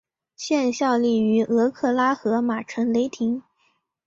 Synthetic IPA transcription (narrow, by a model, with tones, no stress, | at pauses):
ɕjɛ˥˧nɕjɑ˥˧ʊli˥˩y˧˥ɤ˧˥kʰɤ˥˩la˥xɤ˧˥ma˨˩ʈ͡ʂʰə˧˥ŋle˧˥ɪt̪ʰi˧˥ŋ